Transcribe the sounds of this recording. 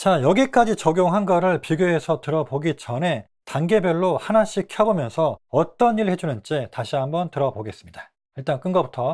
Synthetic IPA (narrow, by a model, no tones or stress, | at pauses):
t͡ɕajʌɡik͈ad͡ʑit͡ɕʌɡjoŋɦanɡʌɾɯɭpiɡjue̞sʰʌtɯɾʌboɡit͡ɕʌne̞ | taŋɡe̞bjʌɭːohanaɕ͈ikʰjʌbomjʌnsʰʌʌt͈ʌniɭhed͡ʑunɯnt͡ɕ͈etaɕʰiɦambʌntɯɾʌboɡe̞s͈ɯmɲida | iɭt͈ank͈ɯnɡʌbutʰʌ